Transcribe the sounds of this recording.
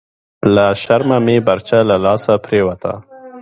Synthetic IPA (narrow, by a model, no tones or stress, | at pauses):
laʃaɾmamebaɾt͡ʃalalɑsapɾewat̪ʰa̰